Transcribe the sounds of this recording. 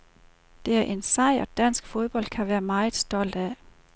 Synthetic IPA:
d̥e̝æɐʔe̝nsɑ̈ɪ̰ɒ̽d̥æn̰sɡ̥fo̝ð̞ˠb̥ɒ̽l̰d̥̚kʰæʋæːɐmɑ̈ɪð̩ˠsd̥ɒ̽l̰d̥æ

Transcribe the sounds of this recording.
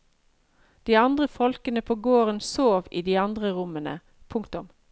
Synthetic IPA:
d̪̥iːɑnd̪ʁəfɔlkənəpʰoːɡoːʁənsoːʋḭːd̪iːɑnd̪ʁəʁʊmənə̰ | pʰʊŋkt̪ʊm

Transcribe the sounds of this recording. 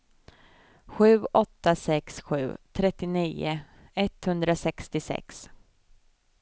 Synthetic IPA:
ɧʉ̟ːʔɔt̪ːasɛksɧʉ̟̰ːt̪ʰɾɛt̪ːɪniːʊ̰ | ɛt̪hɵnd̪ɾasɛkst̪ɪsɛ̰ks

